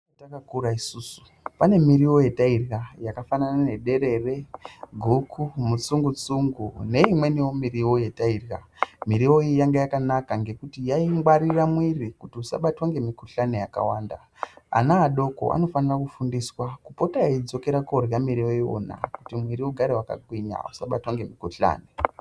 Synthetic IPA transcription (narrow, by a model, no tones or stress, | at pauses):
akakuɾaisuːsu̥ | pane̞miɾiwo̞jetairɣajakafananane̞ɗe̞ɾe̞re̞ɡʱukʰumut͡suŋɡut͡suŋɡune̞imwe̞niwo̞miɾiwo̞je̞tairɣamiɾio̞ijaŋɡejakanakaŋɡe̞kutijaiŋɡwaɾiramwirikutiusa̰ɓatwaŋɡe̞mikuɬane̞jaka̰waːnda | a̰naːɗo̞ko̰ʔa̰no̞fanirakufundiswakupo̞taaid͡zo̞ke̞ɾakorjamiɾiwo̞io̰na̰kutimwiɾiuɡʱaɾewaka̰ɡwiɲa̰usaɓatwaŋɡe̞mikuɬa̰ːne